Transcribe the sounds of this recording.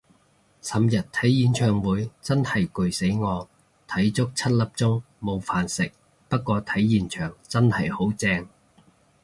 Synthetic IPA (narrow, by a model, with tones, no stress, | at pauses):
sɐ˨mjɐ˨t̚t̪ʰɐ˨˥jjiː˨˧nt͡ʃʰœː˨˩ŋwuː˨˥jt͡sɐ˥nhɐ˨˩jkɵ˨˩ɥse˨˥jŋɔː˨˧ | t̪ʰɐ˨˥jt͡sʊ˥k̚t͡sʰɐ˥t̚lɐ˨p̚t͡sʊ˥ŋ | mo˨˧wfaː˨nsɪ˨k̚ | pɐ˥t̚kːʷɔː˧t̪ʰɐ˨˥jːiː˨nt͡ʃʰœː˨˩ŋt͡sɐ˥nhɐ˨˩jho˨˥wt͡sɛː˧ŋ